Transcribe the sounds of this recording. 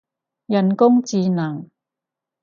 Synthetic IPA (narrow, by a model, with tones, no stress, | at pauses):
jɐ˨˩nkʊ˥ŋt͡siː˧nɐ˨˩ŋ